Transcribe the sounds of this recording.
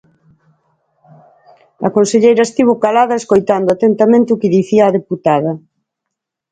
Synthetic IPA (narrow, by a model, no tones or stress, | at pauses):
ɐ̰konseʎejɾɐest̪iβokalaðɐeskojt̪and̪ʊat̪ent̪amẽnt̪ɪukɪðiθiaːðeput̪aðɐ